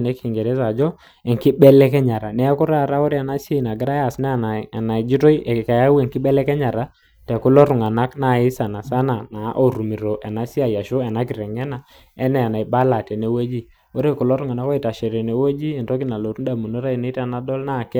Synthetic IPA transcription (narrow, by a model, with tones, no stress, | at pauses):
nɛ˨˦ki˨ŋɡɛ˨ɾɛ˦sa˨d͡ʒɔ˦ | ɛ˨ŋki˦bɛ˦lɛ˦kɛ˦ɲa˨ɾa˨nɛ˦kʊ˦ɾa˦˨ɾa˦o˦ɾe˦a˨na˦si˦e˦i˨na˨ɡɪ˦ɾa˦a˨sna˦˨na˨na˨d͡ʒi˦to˦i˦ɛ˨ka˨ja˦wɛ˨ŋki˦bɛ˦lɛ˦kɛ˦ɲa˨ɾa˦ | tɛ˨ku˦lɔ˦ɾu˨ŋa˨na˦kna˦˨ɪ˦sa˨na˨sa˦na˨na˨˦ʔo˨ɾu˨mi˨ɾo˨ʔɛ˨na˨˦si˦a˨ja˨ʃo˦ɛ˨na˦k̬i˨ɾɛ˨ŋɛ˦na˨ | ɛ˦nɛ˨a˨na˨i˨ba˦la˨tɛ˨ne˨˦we˦d͡ʒi˦ | o˦ɾe˦ku˨lɔ˦ɾʊ˦ŋa˨na˦kɔ˦i˨ta˨ʃe˨ɾɛ˨ne˨we˦d͡ʒi˦ɛ˨ntɔ˦k̬i˦na˨lo˨ɾu˦da˨mu˨no˦ɾa˦i˨ne˦ta˨na˦dɔ˦lna˦˨kɛ˦